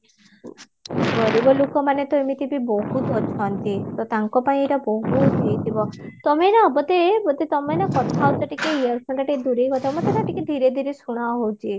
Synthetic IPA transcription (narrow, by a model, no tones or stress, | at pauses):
ɡʱɔɾibɔlokɔmanet̪ɔemit̪ibibɔɦut̪ɔt͡ʃʰɔnt̪it̪ɔt̪aŋkɔpaĩeɾɔbɔɦud͡ʒejt̪ibɔt̪ɔmenaɔbɔt̪ebɔt̪et̪ɔmenakɔt̪ʰaot̪aʈikeijɔɾpʰɔɳʈaʈiked̪uɾekɔt̪ʰamat̪ʰet̪aʈiked̪ʱiɾed̪ʱiɾesuɽ̃aɦowt͡ʃʰi